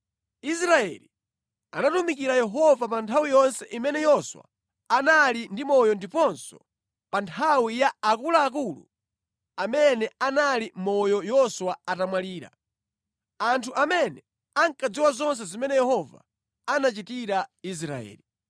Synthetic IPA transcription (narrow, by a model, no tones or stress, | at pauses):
isɾaɛli | anatumikiɾajɛɦɔvapantʰawijɔnsɛʔimɛnɛjɔswa̰ | analindimɔjɔndipɔnsɔ̰ | pantʰawijaːkulaːk̬ulṵ | amɛnɛanalimɔjɔjɔswaatamwaliːɾa̰ | antʰuʔamɛnɛ | aŋkad͡ziwazɔns̬ɛzimɛnɛjɛhɔva̰ | anat͡ʃitiɾais̬ɾa̰ɛ̰ːli